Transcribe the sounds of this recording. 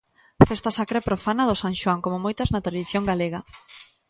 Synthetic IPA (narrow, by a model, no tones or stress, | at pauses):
fest̪ɐsakɾepɾofanɐðʊsaŋʃwaŋkomʊmojt̪ɐznɐt̪ɾaðiθjoŋɡaleɣɐ